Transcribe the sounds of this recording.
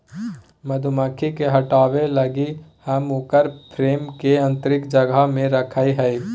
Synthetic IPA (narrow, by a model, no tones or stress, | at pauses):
mɐd̪ʱʊməkʰikeɦɐʈaːwelɐɡihɐmʊkəɾpʰɾeːmkeɐ̃nt̪əɾɪkd͡ʒəɡamẽɾɐkʰaːiɦɛi